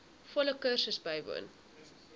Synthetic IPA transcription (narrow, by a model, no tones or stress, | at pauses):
fɔləkərsəsbɐjvṵːn